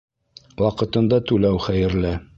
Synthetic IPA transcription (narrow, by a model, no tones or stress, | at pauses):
wɑqɤ̆t̪ɤ̆nd̪ɑt̪ʉlæwχæjɘ̆ɾlɘ